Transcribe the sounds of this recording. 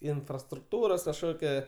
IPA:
ɪnfrɐstrʊkˈtuːroːs kɐʃˈkoːkʲɛ

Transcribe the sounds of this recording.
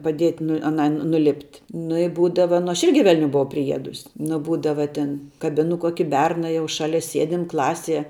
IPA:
pɐˈdʲiɛtʲ nʊ ɐˈnɐɪ nʊˈlʲɪpʲtʲ nʊ ɪ ˈbuːdɐʋɐ nʊ ˈɐʃ ˈɪrʲɡʲɪ ʋʲɛlʲˈnʲʊ bʊˈʋɐʊ pʲrʲɪˈiɛdʊsʲ nʊ ˈbuːdɐʋɐ ˈtʲɪn kɐˈbʲɪnʊ ˈkuɔkʲɪ ˈbʲɛrnɐ ˈjɛʊ ˈʃɑːlʲɛ ˈsʲiɛdʲɪm ˈklˠɑːsʲiɛ

